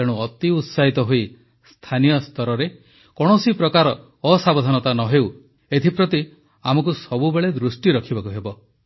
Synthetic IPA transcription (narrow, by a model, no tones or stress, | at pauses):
eɽ̃uɔt̪iut̪saɦit̪ɔɦoi | st̪ʰanijɔst̪ʰɔɾɔɾe | kɔɽ̃ɔsipɾɔkaɾɔː | sabɔd̪ʱɔnɔt̪anɔɦew | et̪ʰipɾɔt̪i | amɔkusɔbubeɭed̪ɾusʈiɾɔkʰibakuɦebɔ